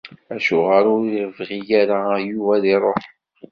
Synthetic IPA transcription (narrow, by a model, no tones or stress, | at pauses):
æʃʊʁaɾʊɾiɾəvʁijaɾajuvæðiɾˤoħ